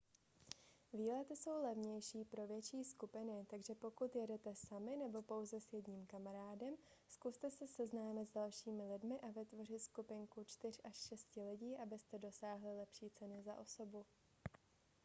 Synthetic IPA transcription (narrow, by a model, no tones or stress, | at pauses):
viːlɛt̪ɪso̞wlɛvɲɛjʃiːpɾo̞vjɛt͡ʃiːskupɪnɪt̪aɡʒɛpo̞kut̪jɛdɛt̪ɛsamɪnɛbo̞po̞wzɛsjɛdɲiːmkamaɾaːdɛm | skust̪ɛsɛsɛznaːmɪt̪zdalʃiːmɪlɪdmɪʔavɪt̪vo̞r̝ɪt̪skupɪŋkut͡ʃt̪ɪr̝ʔaʃʃɛscɪlɪɟiːʔabɪst̪ɛdo̞saːɦlɪlɛpʃiːt͡sɛnɪzaʔo̞so̞bu